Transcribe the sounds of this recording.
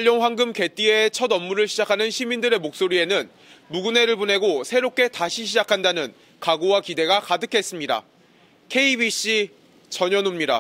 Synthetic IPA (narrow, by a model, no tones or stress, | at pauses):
aʎːoŋɸwaŋɡɯmke̞t͈ie̞t͡ɕʰʌdʌmːuɾɯɭɕʰid͡ʑakʰanɯnɕʰimindɯɾe̞mok̚s͈oɾie̞nɯn | muɡune̞ɾɯɭbone̞ɡosʰe̞ɾop̚k͈e̞taɕʰiɕʰid͡ʑakʰandanɯn | kaɡowakide̞ɡakadɯkʰe̞s͈ɯmɲida̰ | kʰe̞ibiɕ͈i | t͡ɕʌɲʌnumɲida̰